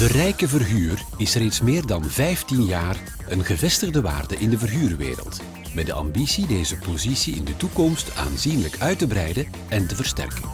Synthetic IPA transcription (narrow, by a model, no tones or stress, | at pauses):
d̥ərɛjkəvərɣyːr | ɪsreːtsmɪːrdɑnvɛjftinjaːr | ənɣəvɛstəɣdəʋa̰ːrdəʔɪndəvərɣyːrʋḛːɾə̰lˠt | mɛt̚dəʔɑ̰mbisideːzəpozisiɪ̰ndətukɔmsta̰ːnzinləkœɥtəbɾɛjdə | ɛntəvərstɛ̰rkən